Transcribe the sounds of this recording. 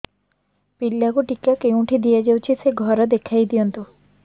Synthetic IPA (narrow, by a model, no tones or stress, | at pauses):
pilːakuʈikakeũʈʰid̪ijad͡ʒawt͡ʃʰiseɡʱɔɾɔd̪ekʰajd̪ijɔnt̪u